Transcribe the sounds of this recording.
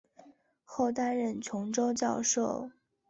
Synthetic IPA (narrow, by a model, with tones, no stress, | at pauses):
xo˥˩ʊt̪a˥nɻə˥˩nt͡ɕʰjʊ˧˥ŋʈ͡ʂo˥ʊt͡ɕjɑ˥˧ʊʂo˥˩ʊ